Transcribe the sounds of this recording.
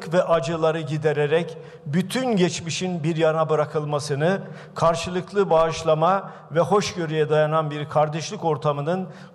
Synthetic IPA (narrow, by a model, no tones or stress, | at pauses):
kvɛʔad͡ʒɯlˠaɾɯɟid̪eɾeɾɛc | byt̪ʰynɟɛt͡ʃmiʃinbiɾjanabɯɾakʰɯlˠmasɯnɯ | kʰaɾʃɯlˠɯklˠɯbaːʃlˠama | vɛho̞ʃɟø̞ɾyjɛd̪ajananbiɾkʰaɾd̪ɛʃlʲiko̞ɾt̪ʰamɯnɯn